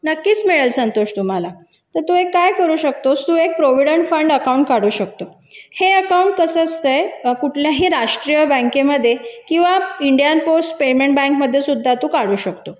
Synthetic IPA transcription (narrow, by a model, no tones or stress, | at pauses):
nəkːiːt͡smiɭəlsənt̪oɕt̪um̤ala | t̪əɾt̪uːekːajkəɾuːɕək̚t̪ost̪ũːek̚pɾoʋiɽəɳʈfəɳɖəkauɳʈkaɽuːɕək̚t̪o | heəkawuɳʈ̚kəsəst̪əjkuʈʰljaɦiːɾaʂʈɾijəbə̃ŋkeməd̪ʱːjekĩw̃ʋaiɳɖijanposʈpemeɳʈbãŋkməd̪ʱːjesud̪ʱːat̪ũːkaɽuːɕəkt̪o